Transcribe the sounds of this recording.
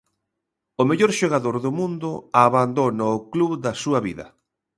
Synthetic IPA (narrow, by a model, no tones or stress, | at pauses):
ʊmeʎoɾʃoɣaðoɾðʊmũnd̪ʊaβand̪onaʊkluβðɐsuɐβiðɐ̰